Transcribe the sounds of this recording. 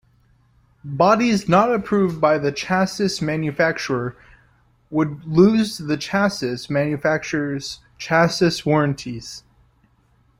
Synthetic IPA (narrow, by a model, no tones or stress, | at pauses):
bɑɾiznəɾɨpʰɹ̥uvbaɪðɨt͡ʃʰæsɨsmæ̃njɨfæk̚t͡ʃə˞ə˞ | wədluzðɨt͡ʃʰæsɨsmæ̃njɨfæk̚t͡ʃə˞z̥ | t͡ʃʰæsɨswɔɹɨ̃ntʰiz̥